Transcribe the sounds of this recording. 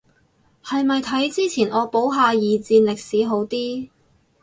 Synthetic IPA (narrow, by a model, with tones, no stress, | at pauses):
hɐ˨jmɐ˨jt̪ʰɐ˨˥jt͡siː˥t͡sʰiː˨˩nʔɔː˨˧po˨˥wɦaː˨˧jiː˨t͡siː˧nlɪ˨k̚siː˨˥ɦo˨˥wt̪iː˥